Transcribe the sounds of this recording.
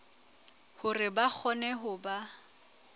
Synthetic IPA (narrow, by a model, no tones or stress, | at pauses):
hʊrɪbak͡xʰɔnɛɦʊba